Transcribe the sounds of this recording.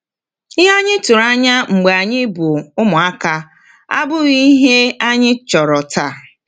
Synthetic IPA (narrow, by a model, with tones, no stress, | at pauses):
ɪ˦ɦa˦ɲɪ˦tʊ˨ɾa˦ɲa˦ŋ͡m̩˨ɡ͡be˨a˨ɲɪ˦bʊ˨ʊ˦mʊ˨a˦ka˦ | a̰˦bʊ˦ɣi˦ɦe˦a˦ɲɪ˦t͡ʃɔ˨ɾɔ˨ta˨